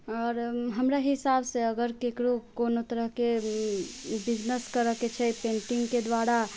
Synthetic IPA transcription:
ɔːɾɦəmɾaɦɪsaːbseəɡəɾkekɾokonot̪əɾəɦke | bɪd͡ʒnəskəɾəket͡ʃʰɛpẽːɳʈiŋɡked̪waɾa

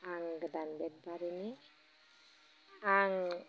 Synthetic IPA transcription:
aŋɡəd̪anbɛd̚baɾini | aŋ

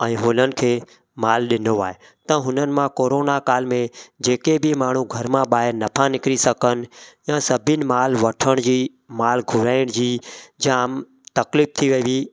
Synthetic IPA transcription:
ɛ̃ːɦoːlənɪ̆kʰeː | maːlɗɪnoaːɦe | t̪ɐ̃ɦʊnənɪ̆mãkoːɾoːnakaːlmẽd͡ʑeːkebimaːɳ̤ũɡʱəɾmãɓaːɦɪɾnəpʰãnɪkɾisəkən̆jãːsəbʱɪnɪ̆maːlʋɐʈʰəɽ̃d͡ʑiː | maːlɡʱʊɾaːɪɽ̃d͡ʑiːd͡ʑãm | t̪ɐkliːp̚t̪ʰiʋɐiʋiː

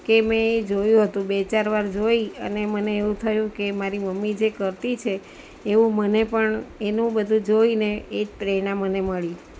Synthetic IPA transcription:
kemẽed͡ʒojũɦət̪ũbet͡ʃaɾʋaɾd͡ʒoiə̰neməneːũt̪ʰəjũkemaɾiməmːid͡ʒekəɾt̪it͡ʃʰeː | ʋũmənepəɳenũbəd̪ʱũd͡ʒoineed͡ʒpɾeɽ̃ãməneməɭi

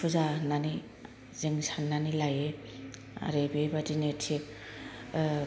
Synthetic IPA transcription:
uzanani | zeŋsannːanilaje | a̰ɾebejbadinetʰe

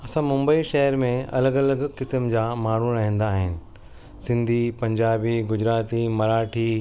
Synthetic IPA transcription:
ɐsãmʊ̃mbəiʃɐɦəɾmẽɐ̰ləɡɐləɡkɪsmd͡ʑaːmaːɳ̤uɾɐɦɛ̃n̆d̪aːɦɪnɪ̆ | sɪ̃nd̪ʱipɐ̃ɲd͡ʑaːbiɡʊd͡ʑɾaːt̪imɐɾaːʈʰiː

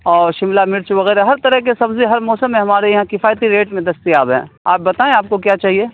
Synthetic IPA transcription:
ɔːɾʃɪmlamɪɾt͡ʃuʋɐɣɛːɾaɦɐɾt̪ɐɾəɦkesɐbzeɦɐɾmɔːsəmːẽɦɐmaːɾeɦɛ̃kɪfaːjt̪iɾeːʈmẽd̪ɐst̪iaːbɦɛ̰̃ːa̰ːp̚bɐt̪aːẽaːp̚kokjaːt͡ʃaːɦieː

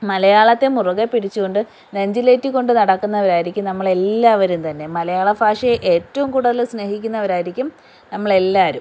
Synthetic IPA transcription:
mɐlɐjaːɭɐt̪ːe̞muruɣɐpːiɽit͡ɕːuɣo̞ɳɖɨ | neɲd͡ʑileːtːikːo̞ɳɖɨnɐɽɐkːunːɐʋɐɾaːjiɾikʲːumnɐmːɐɭe̞lːaːʋɐɾumt̪ɐnːe̞mɐlɐjaːɭɐbʱaːʂɐeʔeːtːɐʋumkuːɽɐðilsnehikʲːunːɐʋɐɾaːjiɾikʲːum | nɐmːɐɭe̞lːaːɐɾum

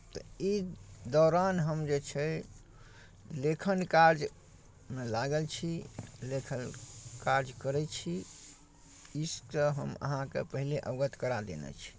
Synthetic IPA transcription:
t̪ɔid̪ɔɾanɦəmd͡ʒet͡ʃʰɛ | lekʰənkaɾd͡ʒ | melaɡəlt͡ʃʰilekʰənkaɾd͡ʒkəɾɛt͡ʃʰi | iskəɦəmə̰ɦãkḛpəɦileʔəɡət̪kəɾad̪ḛnɛ̰t͡ʃʰi̥

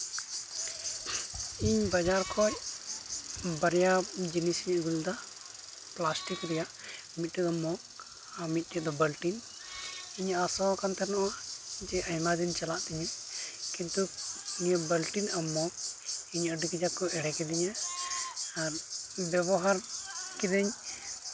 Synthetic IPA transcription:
iɲbad͡ʒaɾkʰɔj | bəɾjad͡ʒinisɲəɡuld̪a | plasʈikɾɛjaʔ | mit̪̚tɛd̪ɔmɔk̚ | amit̪̚ˀtɛd̪ɔbəlʈin | iɲasɔkant̪ʰɛnɔʔwad͡ʒɛʔəjmad̪iɲt͡ʃalaʔt̪iɲɛkint̪ukiɲəbəlʈinamɔk̚iɲəɖikid͡ʒakɔʔɛɽɛkid̪ɛɲɛ | aɾbjɛbɔɦaɾkid̪ɛɲ

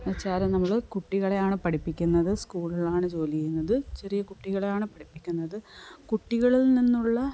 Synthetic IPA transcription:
ɐt͡ɕːaːɾɐnɐmːɐɭkuʈːiɣɐɭe̞jaːɳɨpɐʈipːikʲːunːɐðɨskuːɭilaːɳɨt͡ɕo̞ːlijejunːɐðɨt͡ɕe̞rijɐkuʈːiɣɐɭe̞jaːɳɨpɐɽipːikʲːunːɐðɨkuʈːiɣɐɭilninːuɭːɐ

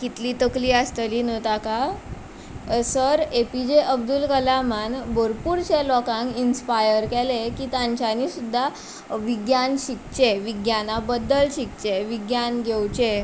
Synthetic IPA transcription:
kit̪liːt̪əkliːəst̪əliːnət̪aka | səɾepid͡ʑeʔəb̚d̪ulkəlamanboɾpuɾt͡ɕelɔkãŋinspajəɾkɛlekiːt̪ãɲt͡ɕanisud̪ʱːa | ʋiɡjanɕik̚t͡ɕeʋiɡjanabəd̪ːəlɕik̚t͡ɕeʋiɡjanɡʱewt͡ɕe

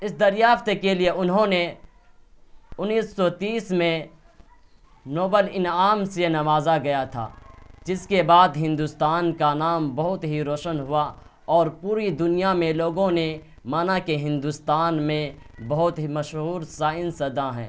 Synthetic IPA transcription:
ɪsd̪ɐɾjaːft̪kelieʔʊnɦõne | ʊnːiːsːɔt̪iːsmẽ | noːbəlɪnaːmsenɐmaːzaɡɐjat̪ʰa̰ːd͡ʒɪskebaːd̪ɦɪ̃nd̪ʊst̪aːnkanaːmbɐɦʊt̪ɦiɾoːʃənɦʊa | ɔːɾpuːɾid̪ʊnijamẽloːɡõne | maːnakeɦɪ̃nd̪ʊst̪aːnmẽbɐɦʊt̪ɦimɐʃɦuːɾsaːɪnsɐd̪ãɦɛ̰̃ː

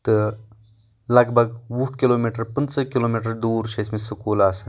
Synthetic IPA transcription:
t̪ɨ | lɐɡbʱɐɡʋuʈʰkiloːmiːʈəɾpɐnsəkiloːmiːʈ̬əɾd̪uːɾʃeːsmẽsʊkuːlaːs

